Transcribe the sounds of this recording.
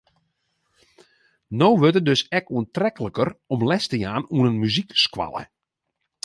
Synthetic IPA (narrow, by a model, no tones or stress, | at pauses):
nowʋøtədøsɛkuəntrɛkələkərɔmlɛstəjaːnuənənmyzikskwa̰lˠə̰